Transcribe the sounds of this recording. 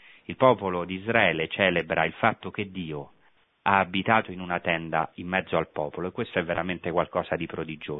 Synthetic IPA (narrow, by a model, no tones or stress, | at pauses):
ilpɔːpolod̪iːzɾaɛːlet͡ʃɛːlebɾʔailfat̪ːok̟ed̪ːiːo | aːbit̪aːt̪oinunat̪ɛnd̪a̰imːɛd̪zːoalpɔːpoloekːwest̪oɛvːeɾament̪ekwalkɔːsad̪ipɾod̪id͡ʒoː